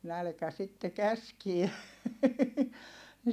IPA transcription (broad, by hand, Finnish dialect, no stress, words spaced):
nælkæ sitːe kæskie ne